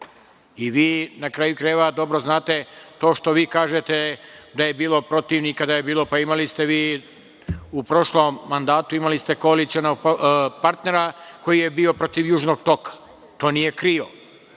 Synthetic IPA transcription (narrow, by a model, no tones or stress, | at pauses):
iʋiːnakɾaːjukɾajʋad̪o̞bɾoznaːt̪e̞t̪o̞ːʃt̪o̞ʋiːkaːʒet̪ed̪aje̞biːlo̞pɾo̞t̪iːʋnikad̪aje̞biːlˠo̞paimalist̪e̞ʋiː | upɾo̞ʃlo̞mːand̪aːt̪uimalist̪e̞ko̞alit̪sionoɡpaɾt̪ne̞ɾako̞jije̞biːo̞pɾo̞t̪iʋjuːʒno̞ɡ̚t̪o̞kḁ | t̪o̞ːnije̞kɾio̞